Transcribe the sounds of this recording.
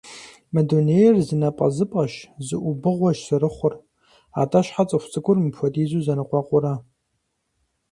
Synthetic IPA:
mɐdonejɛrzɨnɐpʼɐ̰zɨpʼɐʃzɨʔʷʊbɨʁʷɐʒsɨɾɨχʷʊr | a̰ːtʼɐɕħat͡sʼɨxʷʊt͡sʼɨkʷʰʼʊrmɨpʰʷɔtʼiːzuːzɐnɨqʷɑːqʷʼʊɾa

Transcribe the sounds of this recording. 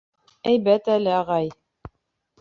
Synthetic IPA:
æjβæt̪ælɘɑʁɑj

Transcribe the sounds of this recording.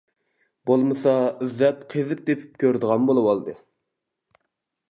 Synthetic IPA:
b̥olˠmɨsɑyzːɛt̪qʰezɨp̚d̪epʰɪ̥p̚kʲʰøɾd̪əʁɑnbolˠɨwɑlˠd̪ɨ

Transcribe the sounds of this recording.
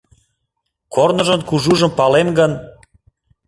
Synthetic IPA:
kornə̆ʒənkuʒuʒəmpɑlemɡən

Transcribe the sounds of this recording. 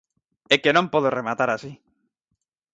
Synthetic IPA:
ekenõmpoðoremat̪aɾasi

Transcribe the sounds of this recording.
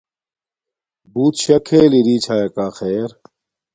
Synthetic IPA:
buːt̪ɕɐkʰeːliɾiːt͡ɕʰaːjekaːxeːɾ

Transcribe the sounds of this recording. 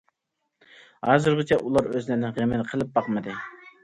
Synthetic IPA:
hɑːzɨɾʁət͡ʃʰɛʔulˠɑɾøznɪnɪnʁemɪlqʰəlˠɨp̚bɑqmɨd̪ɨ

